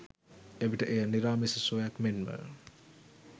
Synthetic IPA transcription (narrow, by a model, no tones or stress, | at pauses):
eʋiʈəʔejaniɾaːmisəsojakmenmə̰